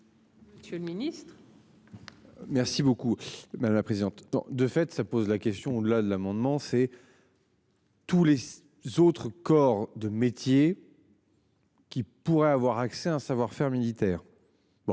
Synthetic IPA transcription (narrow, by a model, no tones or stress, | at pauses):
məsjølminist̪χ | mɛʁsibokumad̪amlapχezid̪ɑ̃t̪nɔ̰̃d̪əfɛt̪sapozlakʲɛst̪jɔ̃od̪əlad̪əlamɑ̃d̪mɑ̃sɛ | t̪ule | zot̪χəkɔʁd̪əmet̪je | kʲipuʁɛavwaʁaksɛɛ̃savwaʁfɛʁmilit̪ɛːʁ | b̥ɔ̃